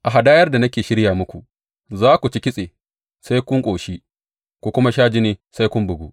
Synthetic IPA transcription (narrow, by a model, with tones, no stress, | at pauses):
ʔa˨ɦa˨daː˦jɐ˦rda˨nɐ˦kʲeː˨ʃɪ˦ɽjaː˨mʊ˦kʷu˨ʔ | zaː˦kʷu˨t͡ʃɪ˦kʲɪ˦sʼeː˨ | sa˦jkʷʊ˦ŋkʷʼoː˨ʃiː˦ | kʷu˨kʷʊ˦ma˦ʃaː˦d͡ʒɪ˦neː˦sa˦jkʷʊ˦mbʊ˨ɡuː˦